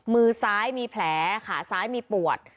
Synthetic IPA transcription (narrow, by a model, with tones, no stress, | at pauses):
mɯː˧saː˦˥jmiː˧pʰlɛː˩˦kʰaː˩˦saː˦˥jmiː˧pu˨˩ət̪̚